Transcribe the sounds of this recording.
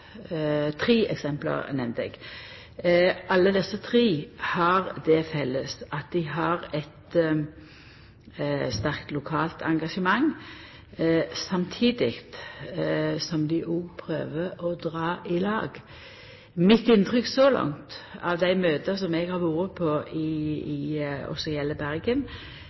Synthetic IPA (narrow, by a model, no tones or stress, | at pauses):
t̪ʰɾiːɛ̰ksɛmplə̰ɾnɛmnt̪ɛ̰ɡ̥ | ʔɑlːəd̪ɛsːət̪ʰɾiːhɑʁd̪ɛfɛlːəsɑt̪̚d̪ɪɦɑʁɛt̪ | st̪æʁkt̪lʊkʰɑːlt̪ʰɑŋɡɑʂəmɑŋ | sɑmt̪ʰiːd̪ɪɡt̪ | sɔmd̪ɪʔʊpʰɾø̰ːʋəɔd̪ʁɑːʔɪlɑ̰ːɡ | mɪt̪ɪnt̪ʰʁʏksɔlɑ̰ŋt̪ɑ̰ʋd̪æɪmøːt̪əsɔmɛɡhɑʁʋuːɾəpʰoɪ | ɔ̰sɔjɛlːəbæʁɡən